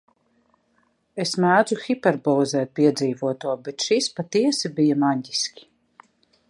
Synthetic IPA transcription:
esmæːd̪zuxʲipɛɾbɔːzɛːt̪̚pʲiɛd̪ziːvuɔt̪uɔbet̪ʃispat̪iɛsibijamaɲʲɟiskʲi̥

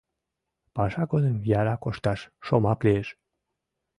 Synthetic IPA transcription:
pɑʃɑɡod̪əmjɑɾɑkoʃt̪ɑʃʃomɑklieʃ

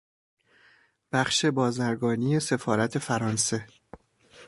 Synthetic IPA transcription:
b̥æχʃe̞bɒːzæɾɡɒːnije̞se̞fɒːɾæt̪ʰe̞fæɾɒːnse̞

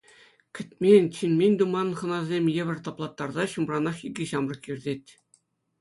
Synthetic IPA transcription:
kʲɘ̆t̪ʲmʲenʲt͡ɕinʲmʲenʲd̪umɑnχɤ̆nɑzʲemʲjĕʋʲɘ̆rʲt̪ɑplˠɑt̪ːɑrzɑɕumrɑnɑχiɡʲɘɕɑmrɤ̆kjirʲdʲetʲ

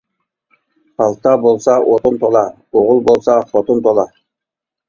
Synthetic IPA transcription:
pɑlˠt̪ɑbolˠsɑʔot̪ʰont̪ʰolˠɑ | oʁʊlˠbolˠsɑfot̪ʰont̪ʰolˠɑ

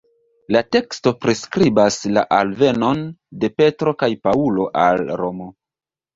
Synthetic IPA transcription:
late̞ksto̞pɾeskɾibasla̰ʔalve̞no̞nde̞pe̞tɾo̞kajpaulo̞ʔalɾo̞mo̞

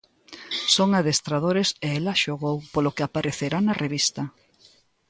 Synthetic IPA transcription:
soŋaðest̪ɾaðoɾeseelaʃoɣowpolokeapaɾeθeɾanɐreβist̪ɐ

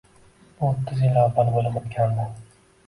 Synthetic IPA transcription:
bʊot̪ʰːɪzjɪlavːalbolˠɪmot̪kʲʰand̪a

